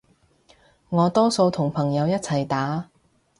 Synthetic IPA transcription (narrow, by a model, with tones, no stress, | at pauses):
ŋɔː˨˧t̪ɔː˥so˧wt̪ʰʊ˨˩ŋpʰɐ˨˩ŋjɐ˨˧wjɐ˥t̚t͡sʰɐ˨˩jt̪aː˨˥